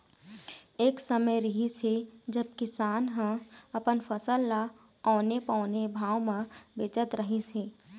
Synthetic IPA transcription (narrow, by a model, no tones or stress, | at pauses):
eːksəməjɾɪɦised͡ʒəb̚kɪsaːnɦə̃əpənfʰəsəlːa | ɔːnepɔ̃ːnebʱaːwmẽbeːt͡ʃət̪ɾəɦiseː